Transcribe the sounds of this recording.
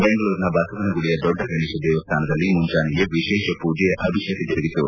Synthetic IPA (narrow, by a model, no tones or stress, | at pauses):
beŋɡɐluːɾnɐbʱaːsɐt̪ɐnɐɡuɽijɐd̪ɔɖːɐɡɐɳiːʃɐd̪ɛːʋɐst̪ʰaːnɐd̪ɐlːimuɲt͡ʃaːnijeʋiʃɛːʃɐpuːd͡ʒɐjɐʔɐbʱiʃɐt̪id͡ʒɐɾiɡit̪ṵ